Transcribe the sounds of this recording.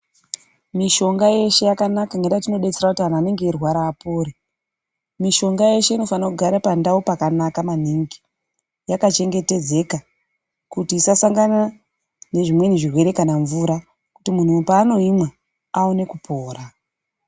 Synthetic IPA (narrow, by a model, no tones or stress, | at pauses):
miʃo̞ŋɡaje̞ʃe̞jakanakaŋɡedatino̞ɗe̞t͡seɾakutiɦan̤aːne̞ŋɡe̞ːrwaɾaːpoːɾe | miʃo̞ŋɡaje̞ʃe̞ino̞fanakuɡʱaɾapandaupakanakaman̤iŋɡi | jakat͡ʃe̞ŋɡe̞te̞d͡ze̞ka | kutiːsasaŋɡana | ne̞ʐimwe̞niʐirwe̞ɾe̞kanaɱvuːɾa | ku̥timun̤upaːno̞imwa | aone̞kupʰo̞ːra